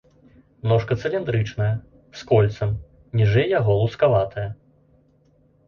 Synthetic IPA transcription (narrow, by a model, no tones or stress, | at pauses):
nɔʂkɐt̪sɛlʲɛnd̪ɾɨt͡ʂnɐjɐ | skɔlʲt̪sɐm | nʲiʐɛjːaɣɔlˠuskavat̪ʰɐjɐ